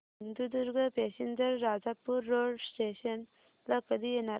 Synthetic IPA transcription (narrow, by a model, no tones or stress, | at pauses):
ind̪ud̪uɾɡʱəpeɕind͡zəɾːad͡zapuɾːoɽsʈeɕən | ləkəd̪ijenaɾ